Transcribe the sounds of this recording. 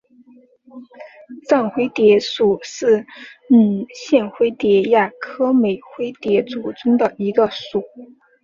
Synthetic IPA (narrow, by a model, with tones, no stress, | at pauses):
t͡sa˥˩nxwe˥ɪt̪jɛ˧˥ʂu˨˩ʂɻ̩˥˩n̩˨˩ɕjɛ˥˩nxwe˥ɪt̪jɛ˧˥ja˥˩kʰɤ˥me˨˩ɪxwe˥ɪt̪jɛ˧˥t͡su˨˩t͡sʊ˥ŋd̪ə˨i˧˥ɡə˧ʂu˨˩˦